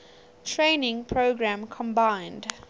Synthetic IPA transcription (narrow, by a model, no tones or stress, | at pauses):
tʰɹẽːnɪ̃ŋpʰɹoɡɹæ̃mkʰɔ̃mbãɪ̃nd